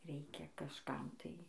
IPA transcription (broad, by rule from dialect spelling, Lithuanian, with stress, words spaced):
ˈrʲɛɪkʲɛ kɐʃˈkɐm tɐɪ